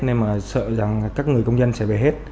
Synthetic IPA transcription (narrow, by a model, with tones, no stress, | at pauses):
ne˧nmaː˨˩sə̰ː˧˨za˨˩ŋkaː˦˥k̚ŋɨ˨˩əjkə˧wŋ͡mzə˧nsɛ̰˧˥ve˨˩ɦe˦˥t̚